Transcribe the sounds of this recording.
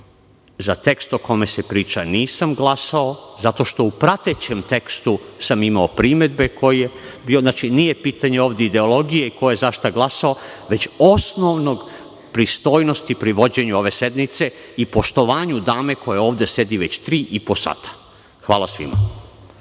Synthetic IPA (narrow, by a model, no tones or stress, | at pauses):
zat̪e̞kst̪o̞ko̞me̞se̞pɾiːt͡ʃaniːsamɡlasaozat̪o̞ʃt̪o̞upɾat̪et͡ɕemt̪ekst̪usamimaopɾime̞d̪̚be̞kʰo̞jijebiːo̞znat͡ʃiniːje̞piːt̪aɲeoːʋd̪eid̪e̞olo̞ɡijeikojojezaʃt̪aɡlˠasao̞ʋe̞t͡ɕosno̞ʋno̞ɡ | pɾist̪o̞ːjno̞st̪ipɾiʋo̞d͡ʑe̞ɲuo̞ʋe̞se̞d̪nit̪se̞ipo̞ʃt̪o̞ʋaːɲud̪aːme̞ko̞jeo̞ːʋd̪e̞se̞d̪iʋe̞t͡ɕt̪ɾiːʔipo̞sa̰t̪ʰḁ | xʋaːlasʋḭma̰